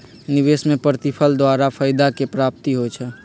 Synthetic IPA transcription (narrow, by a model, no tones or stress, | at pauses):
nɪʋeːsmẽpɾt̪ɪpʰəld̪waːɾapʰəɪd̪akepɾaːp̚t̪iɦot͡ʃʰɛ